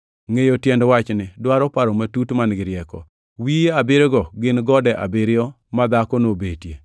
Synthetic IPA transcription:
ŋejotjɛndwat͡ʃnɪdwaɾɔpaɾɔmatutmanɡɪɾjɛkɔ̰ | wieabɪɾeɡɔɡɪnɡɔdɛʔa̰bɪɾɪɔ | mad̪akɔnobetje

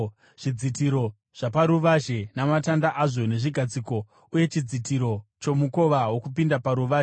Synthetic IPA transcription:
ʐ̥id͡zitiɾo̞ | ʐ̥apaɾuʋaʒe̞namatandaʔaʐo̞ne̞ʐiɡʱad͡ziko̞ | uje̞t͡ʃid͡zitiɾo̞t͡ʃo̞muko̞ʋawo̞kupindapaɾuʋaːʒe

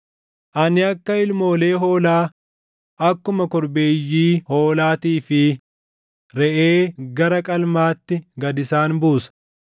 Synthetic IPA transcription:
ʔɐnɪɐkːɐɪlmo̞ːle̞ːɦo̞ːlaː | ɐkːʊmɐkɔɾbe̞ːjːiːhoːlaːt̪iːfɪ | ɾɛʔeːɡɐɾɐkʼɐlmaːt̪ːɪɡɐd̪ɪsaːnbuːsɐ̥

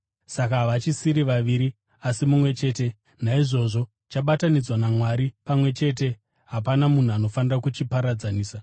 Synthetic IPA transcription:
sakaʋat͡ʃisiɾiʋaʋiːɾi | asimumwe̞t͡ʃe̞ːte̞ | naiʐo̞ʐo̞ | t͡ʃaɓatanid͡zwanamwaɾipamwe̞t͡ʃe̞ːt̬e̞ | ɦapanamun̤uano̞fanirakut͡ʃipaɾad͡zaniːsa

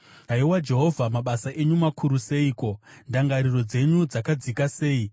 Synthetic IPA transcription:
ɦaiwad͡ʒe̞ɦo̞vʱamaɓasaʔe̞ɲumakʰuɾuse̞iːko̞ndaŋɡaɾiro̞d͡ze̞ɲud͡zakad͡zikase̞ːi

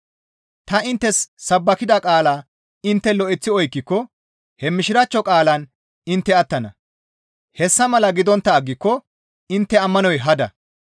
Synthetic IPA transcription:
t̪ɐɪnt̪ːɛsːɐbːɐkɪd̪ɐkʼaːlaː | ɪnt̪ːɛlɔʔɛt͡sːɪɔjkːɪkːɔ | hɛmɪʃɪɾɐt͡ʃːɔkʼaːlɐn | ɪnt̪ːɛɐt̪ːɐnɐ | hɛsːɐmɐlɐɡɪd̪ɔnt̪ːɐːɡːɪkːɔ | ɪnt̪ːɛɐmːɐnɔjɦɐd̪ɐ̰

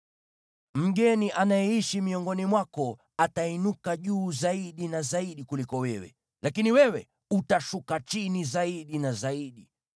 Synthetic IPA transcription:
m̩ɠɛniʔanajɛiʃimiɔŋɡɔnimwakɔ | atainukaʄuːzaiɗinazaiɗikulikɔwɛwɛ̰ | lakiniwɛwɛ̰ | utaʃukat͡ʃinizaiɗinazaiɗi

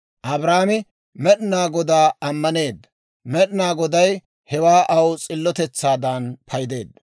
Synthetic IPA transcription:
ʔɐbɾaːmɪ | mɛɗɪnaːɡɔd̪aːɐmːɐne̞ːd̪ːɐ | mɛɗɪnaːɡɔd̪ɐj | hɛwaːʔɐwt͡sʼɪlːɔt̪ɛt͡sːaːd̪aːnpʰɐjd̪e̞ːd̪ːɐ

